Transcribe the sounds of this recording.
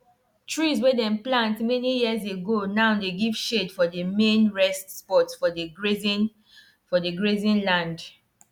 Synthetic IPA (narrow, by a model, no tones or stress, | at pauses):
tɹizwedɛ̃mplãntmɛnijiəzeɡonãʊdeɡiv̥ʃedfɔdəmẽnɹɛstspɔtfɔz | fɔdeɡɹezĩnlãnd